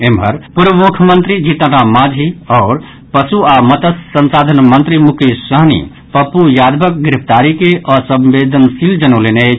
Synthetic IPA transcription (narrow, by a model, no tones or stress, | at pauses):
embʱəɾpuɾʋəmukʰəmənt̪ɾid͡ʒit̪əɾamad͡ʒʱiɔːɾ | pəsuamət̪əsːənsad̪ʱənmənt̪ɾimukisəɦnḭ | pəpujad̪bʱək̚ɡɾipʰt̪aɾikeʔəsə̃mbed̪ʱənsild͡ʒənolene